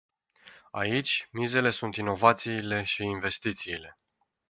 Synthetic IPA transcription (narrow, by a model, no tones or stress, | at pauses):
a̰it͡ʃʲmize̞le̞sunt̪ino̞vat̪siːle̞ʃiːnve̞st̪it̪siːle̞